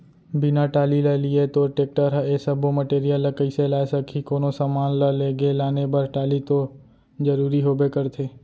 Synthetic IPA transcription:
bɪnaʈaːliləliet̪oːʈeːk̚ʈəɾɦesəbʱoməʈeːɾijələkəɪselaːesəkʰikoːnosamaːnləleːɡelaːnebəɾʈaːlit̪o | d͡ʒəɾuːɾiɦoːbekəɾt̪ʰeː

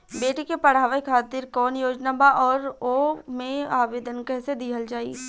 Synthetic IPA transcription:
beːʈekepɐɽ̤aːʋaikʰaːt̪ɪɾkɔːnjoːd͡ʒnabaʔɔːɾomẽaːʋeːd̪ənkəɦsed̪iɦəld͡ʒaːḭː

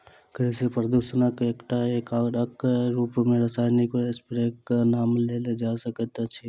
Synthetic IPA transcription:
kəɽisepəɾd̪usənakeːkʈaekaːɾɐkɾuːpmẽɾəsaːjnikoespɾeːknaːmleːled͡ʒaːsəkət̪at͡ʃʰi

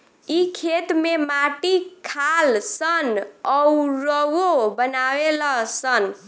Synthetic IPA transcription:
ikʰet̪memaʈikʰalsənɔuɾəwobənaweləsən

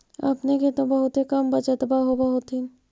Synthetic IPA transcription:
a̰pneket̪obɐɦʊt̪ɦekɐmbɐt͡ʃət̪əbaɦobaɦʊt̪i

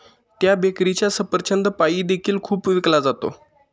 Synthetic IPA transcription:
t̪jabekɾit͡ɕjasəpəɾt͡ɕənd̪pajiːd̪ekʰiːlkʰuːpʋiklad͡zat̪o̰

